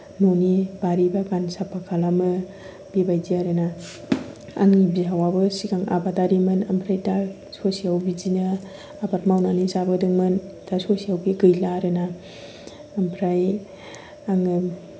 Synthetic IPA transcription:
nonib̥aɾibakansapʰːakʰalamɯ | bibajziaɾɯna | a̰ŋibiawabɯsikaŋʔa̰bataɾimɯnampʰɾajta | sosiawbid͡ʒinɯ | apatmawnanisabɯdɯŋmɯntasosiawɡiɡɯjlaɾɯnaː | mpʰɾaj | aŋɯ

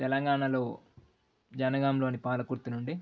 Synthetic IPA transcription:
t̪ɛlɐŋɡaːɳɐlo̞ː | d͡ʒɐnɐɡaːmlo̞ːnipaːlɐkuɾt̪ːinuɳɖi

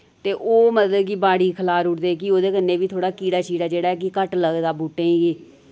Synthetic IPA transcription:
t̪eːʔoːmət̪əd̪kiːbaːɽiːkʰəlaːɾʊʈd̪eːk̬ioːd̪eːkənːeːbiːt̪ʰoːɽaːkiːɽaːt͡ʃiːɽaːd͡ʒeːɽaːɛːk̬ɪkəʈləɡd̪aːbuːʈẽːĩːɡiː

